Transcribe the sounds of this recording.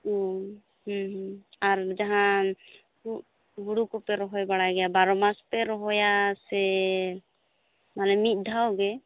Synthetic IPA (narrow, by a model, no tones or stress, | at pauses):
o | ɦɦaɾd͡ʒaɦã | ku | ɡuɽukɔpɛɾɔɦɔjbaɽajɡɛjabaɾɔmaspɛɾɔɦɔjasɛ | malɛmit̪̚ˀd̪ʱawɡɛ